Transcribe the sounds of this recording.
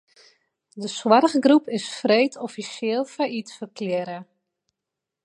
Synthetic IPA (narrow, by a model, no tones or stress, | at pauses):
dəswarɣɡrupɪsfrejtʰɔfisjɪːlˠfaitfərkʰlɪɾə